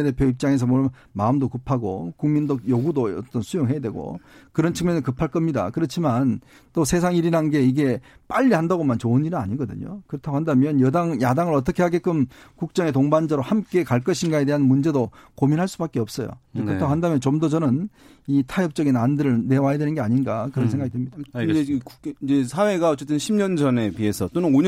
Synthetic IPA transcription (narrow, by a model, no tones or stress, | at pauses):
ede̞pʰjoip̚t͡ɕ͈aŋe̞s̬ʰʌmʌ | maɯmdokɯpʰaɡo̰kuŋmindojoɡudoʌ̰t͈ʌnsʰujoŋɦejadweɡo̰kɯɾʌnt͡ɕʰɯŋmjʌnɯkɯpʰaɭk͈ʌmɲida̰kɯɾʌt͡ɕʰiman | t͈osʰe̞s̬ʰaŋiɾinɦanɡe̞iɡe̞p͈aʎːihandaɡomant͡ɕoɯniɾiaɲiɡʌdɯ̰ɲo̰kɯɾʌtʰaɡohandamjʌnjʌdaŋjadaŋɯɾʌt̬͈ʌkʰe̞ɦaɡek͈ɯmkuk̚t͡ɕ͈ʌŋe̞t̬oŋband͡ʑʌɾohamk͈e̞kaɭk͈ʌɕʰinɡae̞de̞ɦanmund͡ʑe̞dokominɦaɭs͈ubak͈eʌp̚s͈ʌjo̰d͡ʑekɯɾʌt̪ʰaɡoɦandamjʌnt͡ɕomdʌt͡ɕʌnɯn | itʰajʌp̚t͡ɕ͈ʌɡinandɯɾɯɭne̞wajadwenɯnɡe̞aɲinɡakɯɾʌnsʰe̞ŋɡaɡidwemɲidauid͡ʑesʰawe̞ɡaʌt͡ɕ͈e̞t͈ɯnɕʰimɲʌnd͡ʑʌne̞pie̞sʰʌt͈onɯno